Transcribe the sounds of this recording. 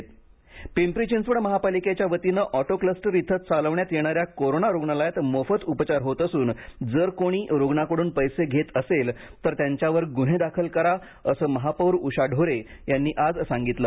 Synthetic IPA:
t̪ | pimpɾit͡ɕinsʋəɽməɦapaliket͡ɕjaʋət̪inəʔɔʈokləsʈɾit̪ʰːət̪t͡saləʋɳjat̪jeɽ̃aɾjakoɾonaɾoɡɳalajat̪məfət̪upt͡ɕaɾɦot̪əsuːnd͡zəɾkoɽ̃iːɾoɡɳakəɽuːnpəjseɡʱet̪əselt̪əɾt̪jaɲt͡ɕjaʋəɾɡuɽ̤ed̪akʰəlkəɾa | əsəːməɦapəwɾuɕaɖʱoɾejanːiːʔad͡zsaŋɡit̪ləː

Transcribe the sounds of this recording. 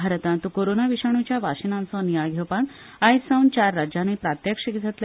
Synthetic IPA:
aɾət̪ãnt̪ukoɾonaʋiɕaɳ̃ut͡ɕjaʋaʂinãnt͡sɔnijaɡʱewpãk | ajsawnt͡ɕaɾːad͡ʑjanepɾat̪jəkʂikit͡sət̪l

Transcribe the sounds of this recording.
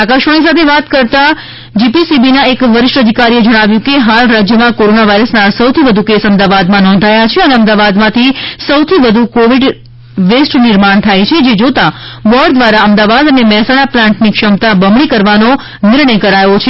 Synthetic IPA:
akaʃəñĩs̬at̪ʰeʋat̪kəɾt̪a | d͡ʒipisibinaekʋəɾɪʃʈəd̪ʱikaɾied͡ʒəɽ̃aʋjũkeɦalɾad͡ʒjəmãkoɾonaʋaiɾəsnasəwt̪ʰiʋəd̪ʱukesəmd̪aʋad̪mãnɔ̃nd̪ʱajat͡ʃʰeəneəmd̪aʋad̪mãt̪ʰisəwt̪ʰiʋəd̪ʱukoʋiɖ | ʋesʈnɪɾmaɳt̪ʰajt͡ʃʰed͡ʒed͡ʒot̪abɔɾɖd̪ʋaɾaəmd̪aʋad̪ənemɛɦɛsaɽ̃aplãɳʈnikʃəmt̪abəmɭikəɾʋano | nɪɾɳəjkəɾajot͡ʃʰe

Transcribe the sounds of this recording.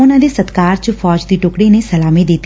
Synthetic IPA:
ʊnãd̪esət̪kaːɾt͡ʃəfɔːd͡ʒd̪iːʈʊːkɽinesəlaːmẽd̪eːt̪

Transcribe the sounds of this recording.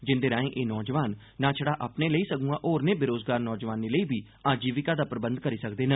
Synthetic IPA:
d͡ʒɪnd̪eːɾãːẽːʔeːnɔːd͡ʒʋaːnː | ãːt͡ʃʰəɽaːʔaːpneːləiːsəkũːɡãːʔoːɾneːbɪɾoːzɡaːɾnɔːd͡ʒʋaːniːləiːbiː | ãːd͡ʒiːʋɪkaːd̪aːpɾəbə̃nd̪̚kəɾiːsəkd̪eːnəː

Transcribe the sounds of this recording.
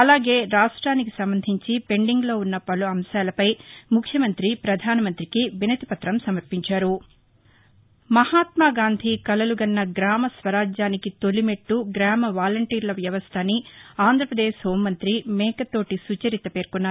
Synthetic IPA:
ɐlaːɡe̞ːɾaːʂʈɾaːnikisɐmbɐnd̪ʱiɲt͡ʃipe̞ɳɖiŋɡlo̞ːunːɐpɐluɐmsaːlɐpɐjmukʰːjɐmɐnt̪ɾipɾɐd̪ʱaːnɐmɐnt̪ɾikiʋinɐt̪ipɐt̪ɾɐmsɐmɐɾpiɲt͡ʃaːɾu | mɐhaːt̪maːɡaːnd̪ʱikɐlɐluɡɐnːɐɡɾaːmɐsʋɐɾaːd͡ʒaːnikit̪o̞limeʈːuɡɾaːmɐʋaːlɐɳʈiːɾlɐʋjɐʋɐst̪ʰɐniaːnd̪ʱɾɐpɾɐd̪eːʃɦoːmːɐnt̪ɾimɛːkɐt̪o̞ːʈisut͡ʃɐɾit̪ɐpe̞ːɾkunːaː

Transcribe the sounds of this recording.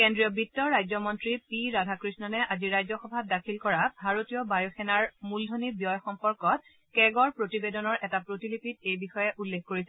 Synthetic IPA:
kendɹijɔbitːɔɹajzɔmɔntɹipiɹadʱakɹisnɔnɛʔaziɹajzɔxɔbʱab̚dakʰilkɔɹabʱaɹotijɔbajɔxɛnaɹmuldʱonibjɔjxɔmpɔɹkɔt̚ | kɛɡɔɹpɹotibedɔnɔɹʔɛtapɹotilipitejbixɔjɛʔulːekʰkoɹisɛ

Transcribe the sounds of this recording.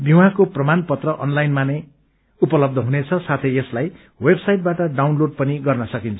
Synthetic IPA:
biwãkoprʌmanpʌt̪rʌʔʌnlajnmanʌ | upʌlʌb̚d̪ʱʌɦunet͡sʰʌsat̪ʰʌjeslaj | websajʈ̚baʈʌɖawnloɖ̚pʌniɡʌrnʌsʌkint͡sʰʌ̥

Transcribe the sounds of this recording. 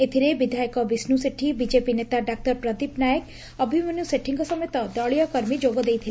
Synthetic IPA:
et̪ʰiɾebid̪ʱajkɔbisnuseʈʰibid͡ʒepinet̪aɖak̚ʈɔɾpɾɔd̪ipnajək | ʌbʱimunjuseʈʰiŋkɔsɔmɔjɔt̪ɔd̪ɔɭijɔkɔɾmid͡ʒoɡɔd̪ejt̪ʰil

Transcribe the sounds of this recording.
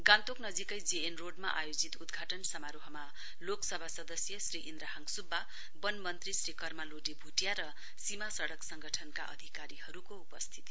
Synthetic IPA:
ɡant̪oknʌd͡zikʌjd͡zeenroɖma̰ʔajod͡zit̪ud̪ɡʱaʈʌnsʌmaɾoɦʌma | loksʌbʱasʌd̪ʌsjʌsriʔind̪ɾaɦaŋɡsubːa | bʌnmʌnt̪risɾikʌrmaloɖibʱuʈjaɾʌ | simasʌɽʌksʌŋɡʌʈʰʌnka̰ʔʌ̰d̪ʱikaɾiɦʌɾukoupʌst̪ʰi̥t̪i

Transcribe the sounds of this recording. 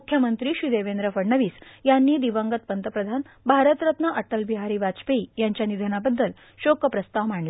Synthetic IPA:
ukʰjəmənt̪ɾiːɕid̪eʋend̪ɾəfəɽɳəʋiːsjanːiːd̪iʋəŋɡət̪̚pənt̪əpɾəd̪ʱan | bʱaɾət̪ɾət̪nəʔəʈəlbiɦaɾiːʋat͡speijaɲt͡ɕjanid̪ʱənabəd̪ːəl | ɕokəpɾəst̪aʋm̤aɳla

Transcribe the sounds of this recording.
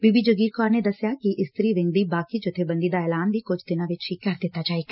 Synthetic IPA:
biːbiːd͡ʒəɡiːɾkɔːɾneːd̪əsːjaːkɪʔɪst̪ɾiːʋɪ̃ŋɡ̚d̪iːbaːkiːd͡ʒʊt̪ʰːeːbə̃nd̪iːd̪aːɛːlaːnd̪iːkʊd͡ʒʱt̪ɪnãːʋɪt͡ʃɦikəɾd̪ɪt̪ːaːd͡ʒaːeːɡa

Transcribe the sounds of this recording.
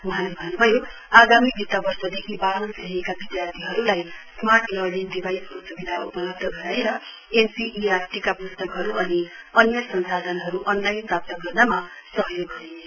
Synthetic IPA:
wʌɦãlebʱʌnnubʱʌjo | aɡamibʱit̪ːabʌrsʌd̪ekʰibalʌnseɦekabid̪jart̪ʰiɦʌɾulajsmaʈlʌlind̪ibajsosubid̪ʱaupʌlʌb̚d̪ʱʌɡʌɾaeɾʌ | ensiʔiarʈikapust̪ʌkɦʌɾuʌniʌnjʌsʌnsad̪ʱʌnɦʌɾuʔʌnlajnprap̚t̪ʌɡʌrnamasʌɦjoɡɦʌe

